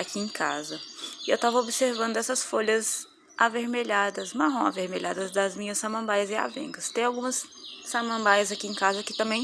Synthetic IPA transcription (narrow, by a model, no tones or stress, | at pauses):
akiẽkazɐɪewt̪avɐobiseɾvɐ̃nd̪ʊɛsɐsfoʎɐz | ʔaveɾmeʎad̪ɐsmaɦõw̃aveɾmeʎa̰d̪ɐzd̪ɐzmĩɲɐsːamɐ̃mbajɐzɪa̰vḛ̃ŋɡɐst̪ẽj̃awɡũmɐsː | amɐ̃mbajɐzakiẽkazɐkɪ̥t̪ɐ̃mbẽj̃